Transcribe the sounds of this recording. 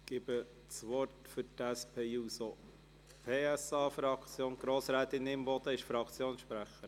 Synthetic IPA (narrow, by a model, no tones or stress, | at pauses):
ɡ̥ɪbə | t͡sʋɔrtfʏɾtæspʰeːuːso | pʰeːæsɑːfɾɑkt͡sjoːnɡ̥ɾoːsɾɛːt̪ɪnɪmbɔd̪əɪʃfɾɑkt͡sjoːnsʃpɾæχəɾ